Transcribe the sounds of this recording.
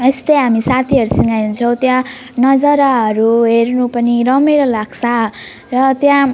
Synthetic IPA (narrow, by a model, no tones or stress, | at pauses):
est̪eɦamisat̪ʰiʌɾusiŋɡajunt͡sʰʌw̃t̪jãnʌd͡zʌɾaɦʌɾuɦernupʌniɾʌmeɾʌlaɡsʰa | rʌt̪jã